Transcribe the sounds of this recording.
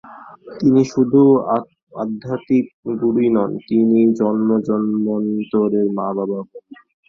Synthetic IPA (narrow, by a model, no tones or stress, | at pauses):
t̪iniʃud̪ʱu | a̰d̪ʱːat̪ik̚ɡuɽinɔnt̪inid͡ʑɔnmod͡ʑɔnmont̪oɾeɾmabababɔe